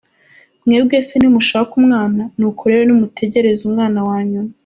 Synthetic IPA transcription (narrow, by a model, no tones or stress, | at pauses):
mŋeːbɡe̞ːsenimuʃaβakumŋaːnanukoɾe̞ɾenumutʰe̞ɟe̞ɾe̞zumŋaːnawaːɲuna